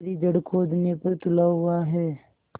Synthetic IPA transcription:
ɾid͡ʒəɽkʰoːd̪nepɐɾt̪ʊlaɦʊaɦɛː

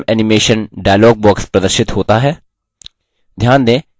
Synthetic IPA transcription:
mɛːnɪmeːʃənɖaːjlɔːɡ̚bɔːkspɾəd̪əɾʃɪt̪hoːt̪aːɦɛː | d̪ʱjaːnd̪ẽː

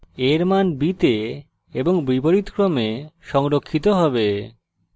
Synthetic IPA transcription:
eɾmanbit̪e | eboŋbiboɾit̪kɾomeʃɔŋɾokʰːit̪oɦɔbe

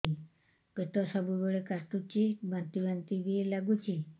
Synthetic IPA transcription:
i | kit̪ɔsɔbubɔɭekat̪ut͡ɕibãnt̪ibãnt̪ibilaɡut͡ɕi

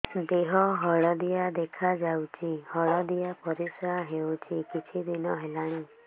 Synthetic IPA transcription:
d̪eɦɔɦɔɭɔd̪ijad̪ekʰad͡ʒawt͡ʃʰihɔɭɔd̪ijapɔɾisɾaɦewt͡ʃʰikit͡ʃʰid̪inɔɦelaɽ̃i

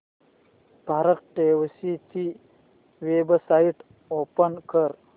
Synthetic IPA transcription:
b̥ʱaːɾək̚ʈeːwsit͡ʃi | ʋebsaiʈ | oːpənkəɾ

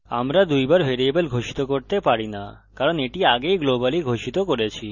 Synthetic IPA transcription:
a̰mɾad̪ujbaɾbʱeɾiebelɡʱoʃi̥t̪okoɾt̪epaɾina | kaɾoneʈiaɡejɡlobaliɡʱoʃit̪okoɾet͡ɕʰi

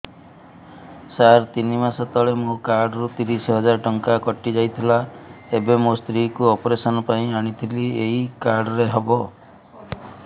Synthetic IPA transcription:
saɾt̪inimasɔt̪ɔɭemõkaɾɖɔɾut̪iɾisɔɦɔd͡ʒaɾɔʈɔŋkakɔʈid͡ʒajt̪ʰilaebemost̪ɾikuɔpɔɾesɔnɔpaĩaɽ̃it̪ʰilieɦikaɾɖɔɾeɦɔbɔ

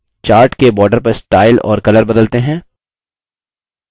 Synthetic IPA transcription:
t͡ʃaːɾʈkebɔːɾɖəɾpɐɾsʈaːɪlɔ̰ːɾkɐləɾbɐd̪əlt̪eɦɛ̃ː

